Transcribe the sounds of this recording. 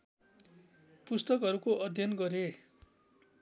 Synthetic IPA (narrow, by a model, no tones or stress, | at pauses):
pust̪ʌkɦʌɾukoʔʌd̪ʱjʌnɡʌɾe